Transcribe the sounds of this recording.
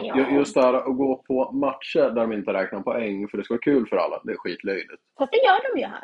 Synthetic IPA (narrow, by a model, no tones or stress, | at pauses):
jjɵst̪d̪ɛhæːɾaʔɔɡoːpʰɔmat̪ʂəɾd̪æɖɔmɪnt̪əɾɛːknapʰɔɛŋːfœɖɛskavɑːkʰʉ̟ːlfœɾa̰lːa̰d̪ɛæɾɧiːt̪ʰlœjlɪt̪ad̪ajœːɖɔmjəhæ̰ɾ